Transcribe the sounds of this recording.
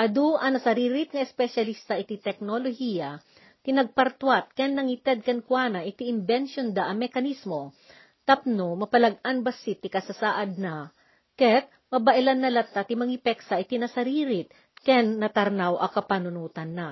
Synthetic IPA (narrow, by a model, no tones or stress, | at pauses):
ʔɐd̪uʔɐnɐsɐɾiːɾɪt̪̚ŋɐʔɛspɛʃɐlist̪ɐʔɪt̪it̪ɛk̚nolohijɐ | t̪ɪnɐɡ̚pɐɾt̪wat̪̚kɛnːɐŋit̪ɛd̪̚kɛnkwanɐʔɪt̪iʔɪnbɛnʃond̪aʔɐmɛkɐnismo | t̪ɐp̚nomɐpɐlɐɡ̚anbɐsit̪ːɪkɐsɐsaʔɐd̪̚nɐ | kɛt̪̚ | mɐbɐʔɪlanːɐlɐt̪ːat̪ɪmɐŋipɛksaʔɪt̪inɐsɐɾiːɾɪt̪̚ | kɛnːɐt̪ɐɾnawʔɐkɐpanʊnuːt̪ɐnːa